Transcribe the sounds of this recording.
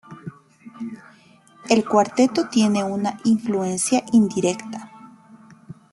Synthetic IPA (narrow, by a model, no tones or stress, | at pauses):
elkwaɾt̪et̪ot̪jeneunaʔiɱfluensjaʔind̪iɾekt̪ḁ